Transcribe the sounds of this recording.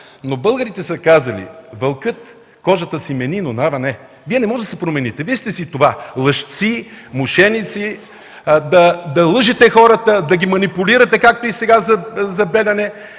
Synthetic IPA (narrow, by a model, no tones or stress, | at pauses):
nobɤlˠɡəɾit̪ɛsɐkazɐlḭvɐlˠkɤt̪ | kɔʒɐt̪əsimɛninonavɐnɛ | viɛnɛmɔʒɛd̪ɐsɛpɾomɛnit̪ɛvid̪ist̪ɛsit̪ovalˠəʃt̪simʊʃɛnit̪si | d̪ɐd̪ɐlˠɤʒɛt̪ɛxɔɾət̪əd̪ɐɡʲimɐnipuliɾɐt̪ɛkak̚t̪oisɛɡazɐzɐbɛlʲɐnɛ